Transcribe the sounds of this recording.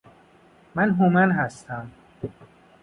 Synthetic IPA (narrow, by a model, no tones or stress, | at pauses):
mænɦomænɦæst̪ʰæm